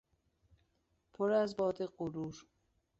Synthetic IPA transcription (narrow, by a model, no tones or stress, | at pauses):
pʰoɾæzbɒːd̪eɢuɾuːɾ